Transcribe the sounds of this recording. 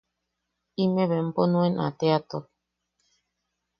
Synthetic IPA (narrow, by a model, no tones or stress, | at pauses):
imeβemponũenʔa̰t̪eat̪o